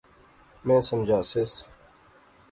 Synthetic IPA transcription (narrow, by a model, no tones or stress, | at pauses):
mẽːsəmd͡ʑʱaːses